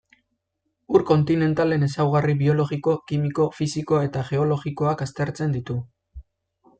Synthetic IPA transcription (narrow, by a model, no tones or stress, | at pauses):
uɾko̞nt̪ine̞nt̪ale̞ne̞sawɣ̞ariβio̞lo̞ɣiko̞kimiko̞fisiko̞e̞t̪aʝe̞o̞lo̞ɣiko̞akast̪e̞ɾt͡se̞nd̪it̪u